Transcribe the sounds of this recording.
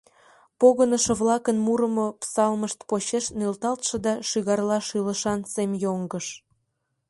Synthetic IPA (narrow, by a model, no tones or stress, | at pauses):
poɣənəʃɤ̆βlɑkənmuɾəmopsɑlməʃt̪poɕeʃnelt̪ɑlt̪ʃɤ̆d̪ɑʃyɣɑrlɑʃiləʃɑnsemjoŋɡəʃ